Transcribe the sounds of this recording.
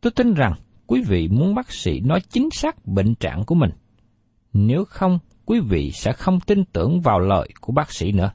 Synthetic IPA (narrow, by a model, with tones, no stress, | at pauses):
t̪o˧jt̪i˧nza˨˩ŋ | kwi˨˦vḭ˧˨mu˨˦ənɓaː˦˥k̚sḭ˧˥nɔ˨˦jt͡ɕï˨˦ŋ̟saː˦˥k̚ɓḭ˧˨ŋ̟t͡ɕa̰ː˧˨ŋku˧˩əmï˨˩ŋ̟ | ne˨˦wxə˧wŋ͡m | kwi˨˦vḭ˧˨sɛ̰˧˥xə˧wŋ͡mt̪i˧nt̪ɨ̰˧˩˨əŋvaː˨˩wləː˨˩jku˧˩əɓaː˦˥k̚sḭ˧˥nɨ̰˧˥ə